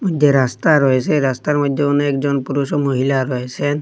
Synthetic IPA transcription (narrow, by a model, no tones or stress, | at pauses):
mɔd̪ʱjeɾast̪aɾɔesʰeɾast̪aɾmɔd̪ʱjeunekd͡ʒɔnpuɾusɔmoɦilaɾɔɦesʰen